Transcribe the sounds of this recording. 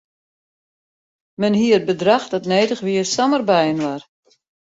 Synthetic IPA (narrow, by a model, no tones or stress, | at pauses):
mɛnɦiət̚bədraxdɔtneːtəxʋiəsamərbɛjənʋar